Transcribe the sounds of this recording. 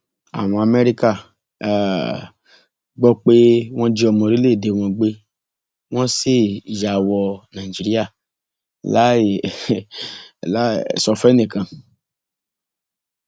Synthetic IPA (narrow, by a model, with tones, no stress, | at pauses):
a̰˨w̃ɔ̃˧a˧me˦ɾi˦ka˦˨ | ɡ͡bɔ˦k͡pe˦w̃ɔ̃˦d͡ʒi˦ɔ˧mɔ̃˧ɾi˦le˦˨de˨˧w̃ɔ̃˧ɡ͡be˦ | w̃ɔ̃˦si˦˨ja˨wɔ˧nã˨i˨d͡ʒi˨˧ɾi˦a˦˨ | la˦˨ | la˦˨sɔ˧fɛ˦nĩ˨kã˨